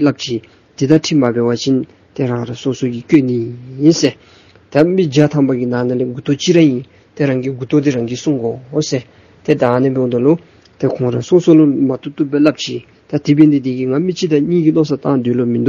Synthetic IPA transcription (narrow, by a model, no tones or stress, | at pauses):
lap̚t͡ɕʰiː | t̪it̪aʈ͡ʂʰimapeːwat͡ɕʰin | t̪eɾaŋɾasosokikøʔnijinse | t̪amid͡ʑat̪ʰampakinaneleɡut̪oʔt͡ɕiɾaji | t̪eɾaŋɡiɡut̪ot̪̬iɾaŋkisuŋɡoose | t̪et̪aaneped̪olo | t̪ekʰoŋɾasosolomat̪ʰut̪uʔpːelap̚t͡ɕḭː | t̪at̪ipend̪ed̪ikiŋamit͡ɕʰit̪aɲiːkilosat̪ãŋd̪øːlomid̪u